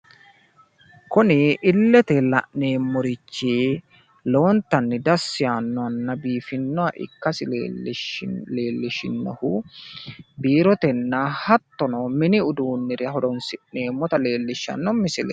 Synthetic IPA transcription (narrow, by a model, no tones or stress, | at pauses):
kʊnɪʔɪlːɛt̪ɛlɐ̰ʔne̞ːmːɔɾɪt͡ʃːiː | lo̞ːnt̪ːɐnːɪd̪ɐsːɪjanːɔɐnːɐbiːfɪnːɔɐʔɪ̰kːɐsɪ | leːlːɪʃɪnːɔhʊ | biːɾɔt̪ɛnːahɐt̪ːɔnɔmɪnɪʊd̪uːnːɪɾɪɦɔdɔnsɪʔne̞ːmːɔt̪ɐle̞ːlːɪʃːɐ̰nːɔmɪsɪlɛ